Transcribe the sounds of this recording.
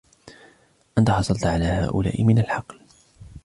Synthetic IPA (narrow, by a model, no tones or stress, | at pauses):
ʔant̪aħɑsˤɑlt̪ʕalaːha̰ːʔʊ̰la̰ːʔɪmɪnalħɑql